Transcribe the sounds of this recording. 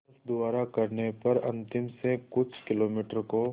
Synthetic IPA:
fd̪ʊaːɾakɐɾnepɐɾɐ̰̃nt̪ɪmsekʊt͡ʃʰkɪloːmiːʈəɾko

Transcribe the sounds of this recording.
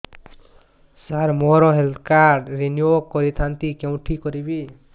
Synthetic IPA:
saɾmoɾɔɦeld̪kaɾɖɾinjokːɔɾit̪ʰant̪ikjew̃ʈʰikɔɾibi

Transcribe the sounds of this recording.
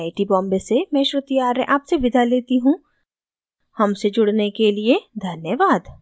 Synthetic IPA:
aːɪʈibɔ̃ːmbesemɛ̃ːʃɾɪt̪ijaːɾɛ̰̃ʔaːpseʋɪd̪ʱaleːt̪iɦũ | hɐmsed͡ʒʊɽnekelied̪ʱɐnjəʋaːd̪

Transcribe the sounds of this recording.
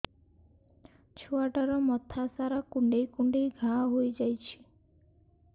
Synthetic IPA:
t͡ʃʰuaʈaɾɔmɔt̪ʰasaɾakuɳɖejkuɳɖejɡʱaɦojd͡ʒajt͡ʃʰi̥

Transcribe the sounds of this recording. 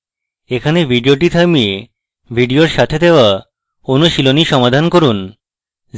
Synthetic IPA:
ekʰanebʱiɖioʈ̬it̪ʰamie | bʱiɖioɾʃat̪ʰed̪eoa | onoʃiloniʃɔmad̪ʱankoɾun

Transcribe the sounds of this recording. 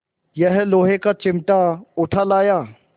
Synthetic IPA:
jɛɦloːɦekat͡ʃɪ̃mʈaʊʈʰalaːjaː

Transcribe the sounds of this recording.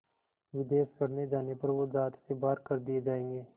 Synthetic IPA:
ʋɪd̪eːʃɡɐɽ̤ned͡ʒaːnepɐɾʋozaːt̪sebaːɾkɐɾd̪ied͡ʒaːẽːŋɡeː

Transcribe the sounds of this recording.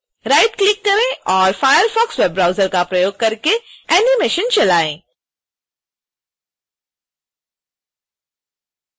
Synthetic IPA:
ɾaːɪʈklɪkːɐɾẽɔːɾfaːjəɾfɔːksweːbɾaːʊzəɾkapɾɐjoːɡ̚kɐɾkeɛːnimɪʃənt͡ʃɐlaːḛ̃ː

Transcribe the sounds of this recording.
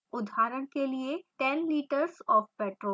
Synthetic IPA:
ʊd̪ʱaːɾəɽ̃kelieʈɛnliːʈəɾzɔːfpɛːʈɾoː

